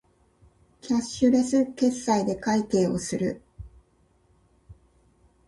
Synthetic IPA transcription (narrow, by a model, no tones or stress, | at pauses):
kʲaɕɨɾesɨke̞sːaid̪e̞kait̪e̞ːo̞sɨɾɯ̟